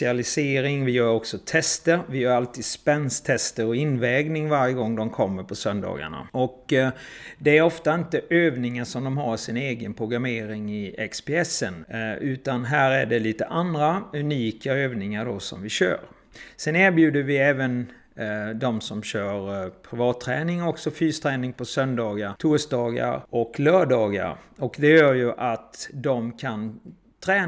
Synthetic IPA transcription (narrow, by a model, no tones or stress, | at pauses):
ɪalɪseːɾɪŋvɪjœːɾɔksɔt̪ʰɛst̪əɾvɪjœːɾalt̪ʰiːd̪spɛnst̪ʰɛst̪əɾɔɪnːvɛːɡnɪŋvaɾjəɡɔŋːd̪ɔmkʰɔmːəɾpʰɔsœnd̪ɑ̰ːɡa̰ɳa̰ɔk | d̪ɛæɾɔft̪aɪnt̪əʔøːvnɪŋaʂɔmd̪ɔmɦaɾsɪneːɡənpʰɾʊɡɾameːɾɪŋɪɛkspeːɛsːənʉ̟ːt̪anɦæːɾæɖɛliːt̪əʔand̪ɾaʉniːkaøːvnɪŋaɖɔsɔ̰mvɪɕœ̰ːɾ | sɛnæːɾbjʉ̟ːd̪əɾvɪɛːvən | d̪ɔmsɔmɕœːɾpʰɾɪvɑːt̪ʰːɾɛːnɪŋɔksɔfyːst̪ʰɾɛːnɪŋpʰɔsœnd̪ɑːɡaɾt̪ʰʊːʂd̪ɑːɡa̰ɾɔklœːɖɑːɡa̰ɾɔkd̪ɛjœːɾjɵʔat̪d̪ɔmkʰan | t̪ʰɾɛː